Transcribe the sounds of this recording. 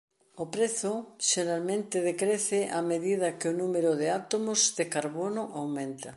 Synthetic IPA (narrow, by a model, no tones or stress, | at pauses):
opɾeθʊʃeɾalmẽnt̪ɪð̞ekɾeθɪʔameðið̞ɐkɪonũmeɾoðeat̪omozðekaɾβonoʔawmẽnt̪a